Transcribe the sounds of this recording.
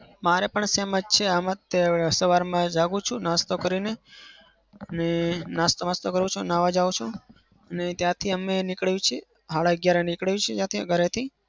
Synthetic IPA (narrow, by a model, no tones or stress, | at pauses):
maɾepəɳseməd͡ʒt͡ʃʰeamət̪ːesəʋaɾmãd͡ʒaɡũt͡ʃʰunast̪okəɾine | ənenast̪omast̪okəɾʋũt͡ʃʰunaʋad͡ʒaũt͡ʃʰũ | ənet̪jãt̪ʰiəmenɪkɭjũt͡ʃʰe | ɦaɭaəɡjaɾenɪkɭjũt͡ʃʰed͡ʒjãt̪ʰiɡʱəɾet̪ʰi